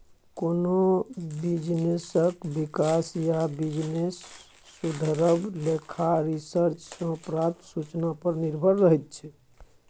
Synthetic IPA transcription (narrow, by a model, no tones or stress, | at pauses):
konobid͡ʒnesəkbikasjabid͡ʒnesː | ud̪ʱəɾəblekʰaɾisəɾt͡ʃsə̃pɾãt̪sut͡ʃnapəɾniɾbʱəɾːəɦɛt̪̚t͡ʃʰɛ